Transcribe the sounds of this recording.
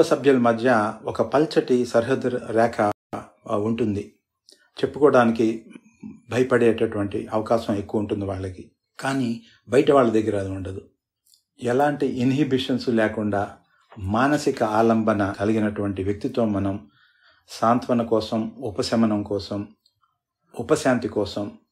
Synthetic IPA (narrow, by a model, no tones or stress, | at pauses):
ɐsɐbʱjɐlɐmɐd̪ʱjɐɔkɐpɐlt͡ʃɐʈisɐɾɦɐd̪ːuɾuɾɛːkʰɐ | uɳʈund̪i | t͡ʃe̞pːukɔːɽaːniki | bʱɐjɐpɐɽɛːʈɐʈuʋɐɳʈḭʔɐʋɐkaːʃɐme̞kːuʋɐuɳʈund̪iʋaːɭːɐki | kaːniː | bɐjɐʈɐʋaːɭːɐd̪ɐɡːɐɾɐd̪uɳɖɐd̪u | ɛlaːɳʈiʔinɦibiʂɐnslɛːkuɳɖaː | maːnɐsikɐaːlɐmbʱɐnɐkɐliɡinɐʈuʋɐɳʈiʋjɐk̚t̪it̪o̞ːmɐnɐm | ʃaːnt̪ʋɐnɐkɔːsɐmupɐsɐmɐnɐmkɔːsɐm | upɐsjaːnt̪ikɔːsɐm